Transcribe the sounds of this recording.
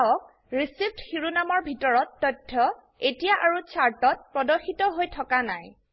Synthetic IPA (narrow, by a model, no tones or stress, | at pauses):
ɔk̚ | ɹisib̚txiɹunamɔɹbʱitɔɹɔtːɔjtʰːɔ | etijaʔaɹut͡ʃʰaɹtɔt̚pɹɔdɔxitɔɦojtʰɔkanaj